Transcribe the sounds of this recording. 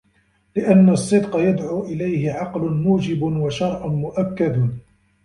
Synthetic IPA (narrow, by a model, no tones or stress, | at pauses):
lɪʔanːasˤːɨd̪qɑjad̪ʕuːʔɪlajhɪʕɑqlʊnmuːd͡ʒɪbʊnwaʃɑɾˤʔʊnmʊʔakːad̪